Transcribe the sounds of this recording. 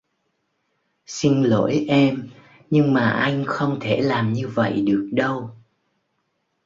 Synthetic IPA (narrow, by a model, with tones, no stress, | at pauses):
si˧ŋlo̰˧˥jʔɛ˧m | ɲɨ˧ŋmaː˨˩ʔa˧jŋ̟xə˧wŋ͡mt̪ʰe˧˩laː˨˩mɲɨ˧və̰˧˨jɗɨ˨˩ək̚ɗə˧w